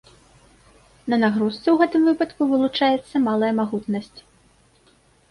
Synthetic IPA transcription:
nɐnaɣɾust̪sɛwɣɛt̪ɨmvɨpɐt̪kuvɨlˠut͡ʂajɛt̪sːɐmalˠɐjɐmaɣut̪nɐsʲt͡sʲ

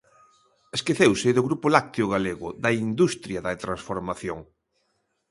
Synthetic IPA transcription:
eskeθewsɪðʊɣɾupʊlak̚t̪eʊɣaleɣʊðɐind̪ust̪ɾjɐðɐt̪ɾansfoɾmaθjoŋ

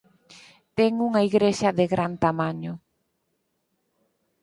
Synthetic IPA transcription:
t̪ɛŋuŋaiɣɾeʃɐðeɣɾant̪amaɲʊ

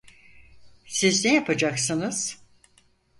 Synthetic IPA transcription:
siznejapʰad͡ʒaksɯnɯz̥

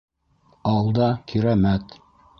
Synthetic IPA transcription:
ɑlˠd̪ɑkʰiɾæmæt̪

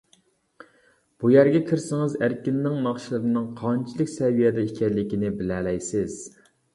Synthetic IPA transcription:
b̥ujæɾɡʲɛkʲʰiɾsɪŋɨzæɾkʲinːɪŋnɑχʃilˠɨɾɨnɨŋqʰɑnt͡ʃʰilˠɨkʲsɛvijɛd̪ɛikʲʰɛlːɪkʲinɪbɪlɛlɛjsɪz̥

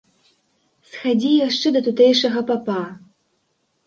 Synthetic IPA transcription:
sxad͡zʲijaʂt͡ʂɛd̪ɐt̪ut̪ɛjʂɐɣɐpapa

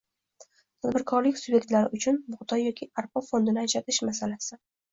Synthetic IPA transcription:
t̪ʰad̪bɪɾkʰɒɾlɪkʲsubje̞k̚ʲt̪laɾɪʔʊt͡ʃʰʊnbʊʁd̪ɒjːɒkʲʰɪaɾpɒfo̞nd̪ɪnɪaʃat̪ʰɪʃmasalasɪ

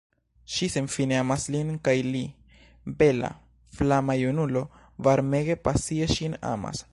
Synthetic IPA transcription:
ʃisemfineamaslinkajli | be̞la̰ | flamajunulo̞ | vaɾme̞ɡe̞pasieʃina̰ma̰s

